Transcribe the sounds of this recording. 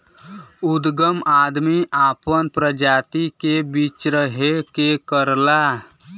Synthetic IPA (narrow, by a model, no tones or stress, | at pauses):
ud̪ɡəmaːd̪miʔaːpənpɾəd͡ʒaːt̪ikebit͡ʃɾəɦekekəɾla